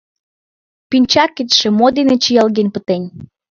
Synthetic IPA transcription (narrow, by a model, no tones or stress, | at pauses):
pinʲt͡ɕɑkːet̪ʃĕmod̪enet͡ɕijɑlɣenʲpət̪enʲ